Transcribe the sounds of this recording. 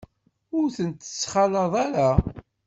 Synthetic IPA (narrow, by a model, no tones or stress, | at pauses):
ʊɾθənt̪ːə̥sːχɑlɑðˤaɾa